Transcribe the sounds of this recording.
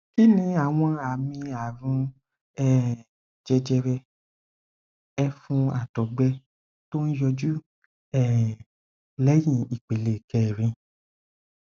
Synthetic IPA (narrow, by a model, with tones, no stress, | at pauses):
ki˦nĩ˧a˨w̃ɔ̃˧a˨mĩ˧a˨ɾũ˧ | ɛ˦ | d͡ʒɛ˧d͡ʒɛ˧ɾɛ˧ | ɛ˧fũ˧a˨tɔ˨˦ɡ͡bɛ˧ | to˦n̩˦jɔ˧d͡ʒu˦ | ɛ˦˨ | lɛ˦jĩ˦˨i˨k͡pe˨le˨kɛ˨ɾ̃ĩ˧